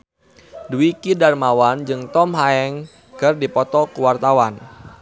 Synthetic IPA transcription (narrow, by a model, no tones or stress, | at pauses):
duikidarmawand͡ʒɨŋt̪ɔmɦaɛŋ | kərdipɔt̪ɔkuwart̪awan